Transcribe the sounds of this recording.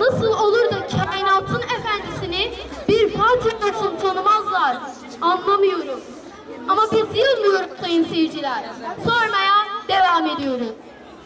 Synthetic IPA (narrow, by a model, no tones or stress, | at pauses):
nasɯlˠo̞lˠuɾd̪acʰaenat̪ʰɯne̞fænd̪isinibiɾfaɾt̪ʰanasɯnt̪ʰanɯmazlˠaɾ | anlˠamɯjo̞ɾum | amabizjɯlˠmɯjo̞ɾumt̪ʰejinsejid͡ʒilʲæɾso̞ɾmajad̪̥e̞vaːme̞d̪ijo̞ɾum